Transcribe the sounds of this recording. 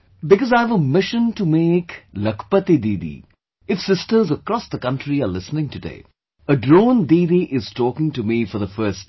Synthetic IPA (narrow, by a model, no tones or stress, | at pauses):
bɪkɔzaɪvəmɪʃə̃ntumeːkləkpət̪id̪iːd̪ḭ | ɪfsɪstəɾzəkɾɔsd̪əkʌ̃ntɾiəlɪsnɪ̃ŋtɨdḛː | əɖɾõːnd̪iːd̪iʔɪz̥tɔːkɪ̃ŋtumifɔɾðəfɜːst